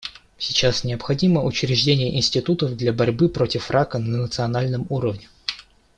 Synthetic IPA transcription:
sʲɪt͡ɕasnʲɪəpxɐdʲiməʔʊt͡ɕɾʲɪʐdʲenʲɪjəʔɪnsʲtʲɪt̪ut̪əvd̪lʲɐbɐɾʲbɨpɾo̞tʲɪfrʔakənənət̪sɨɐnalʲnəmuɾəvnʲɪ

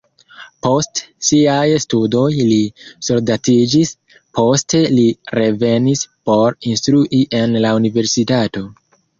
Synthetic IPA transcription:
po̞stsiajstudo̞jlisoɾdatid͡ʒis | po̞ste̞liɾʔe̞ve̞nispo̞ɾinstɾuʔiʔe̞nlaunive̞ɾsitato̞

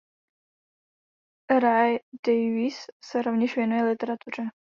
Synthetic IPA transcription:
ɾajd̥ɛjvisːɛɾovɲɛʃvjɛnujɛlɪt̪ɛɾat̪ur̝ɛ

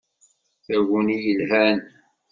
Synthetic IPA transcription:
θæwunijəlɦæn

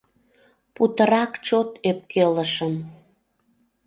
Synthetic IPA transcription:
put̪əɾɑkt͡ɕot̪ep̚kʰeləʃəm

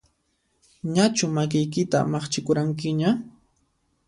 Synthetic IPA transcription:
ɲat͡ʃʊmak̬ɪjk̬ɪt̪a̰mɑχt͡ʃɪkʊɾaŋk̬ɪɲa

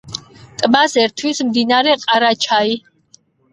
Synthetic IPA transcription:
t̪ʼbasɛɾt̪ʰwismd̪inaɾɛqʼaɾat͡ʃʰai

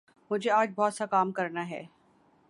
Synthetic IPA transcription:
mʊd͡ʒʱeaːd͡ʒbɔːt̪sakaːmkɐɾnaɦɛ̰ː

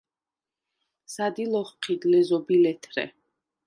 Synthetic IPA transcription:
sad̪ilɔχqʰid̪lɛzɔbilɛt̪ʰɾɛ̰

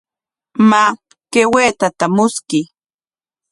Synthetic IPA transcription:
ma | keweːt̪at̪amʊskɪ

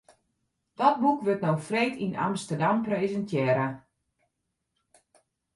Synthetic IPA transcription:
d̥ɔt̚bukʋøtnowfreːtʰina̰mstərdamprezəntʰjɛːɾə

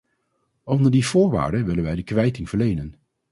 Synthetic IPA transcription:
ɔndəɹdiv̥ʊːɹʋa̰ːɹdənʋɪlənʋɛjdəkʋɛjtɪŋvəɹlejnən

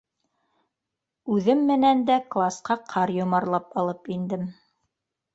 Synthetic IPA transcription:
ʉðɘmːɘ̆nænd̪æklˠasqɑqʰɑɾjŏmɑɾlˠɑpɑlˠɤpind̪ɘm

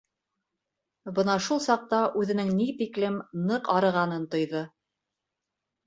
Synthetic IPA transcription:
bɤnɑʃulˠsɑq̚t̪ɑʔʉðɘ̆nɘŋnit̪iklɘmnɤqɑɾɤ̆ʁɑnɤnt̪ŏjðɤ

